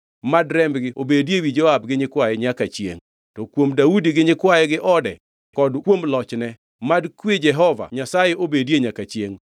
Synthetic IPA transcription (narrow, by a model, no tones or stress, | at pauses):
madɾɛmbɡɪʔobedjewid͡ʒɔabɡɪɲɪkwajɛɲakat͡ʃjḛŋ | tɔkwomdaudiɡɪɲɪkwajɛɡɪʔɔdɛ | kɔdkwomlɔt͡ʃnɛ | madkwed͡ʒɛɦɔva̰ɲasajeʔobedjeɲakat͡ʃjeŋ